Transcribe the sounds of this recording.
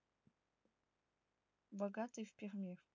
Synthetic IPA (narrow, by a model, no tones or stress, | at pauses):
baɡatʰʼɨjfpʲirmʲer